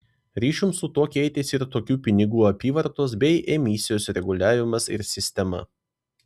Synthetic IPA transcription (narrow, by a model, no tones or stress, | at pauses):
ɾʲiːʃʲumsʊt̪uɔkʲɛɪt̪ʲesiɾt̪oːkʲuːpʲɪnʲɪɡuːɐpʲiːʋɐɾt̪oːs̬bʲɛɪʔɛmʲɪsʲɪjoːsɾʲɛɡʊlʲæːʋʲɪmɐsɪ̰ɾsʲɪsʲt̪ʲɛmɐ̰